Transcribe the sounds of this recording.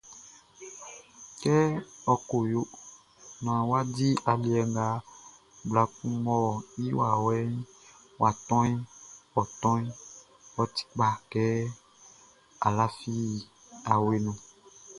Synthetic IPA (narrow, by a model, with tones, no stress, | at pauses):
kɛ˦ɔ˨ko˨jo˦ | m˨ã˨wa˦di˦ʔa˨li˨ɛ˨ŋɡa˦ | bla˦ku˦mɔ̃˦˨i˦wa˨wɛ˦ | wa˨t̪ɔ̃˦i˦wɔ˨t̪ɔ̃˦i˦ | wɔ˦t̪i̥˦k͡pa˨kɛ˦ | a˨la˦fi˦˨ | a˨we˦nũ˨